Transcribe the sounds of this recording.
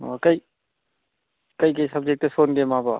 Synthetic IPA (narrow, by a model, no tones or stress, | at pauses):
okɐi | kɐikɐisɐb̚d͡ʒek̚ʈesoːnɡemaːba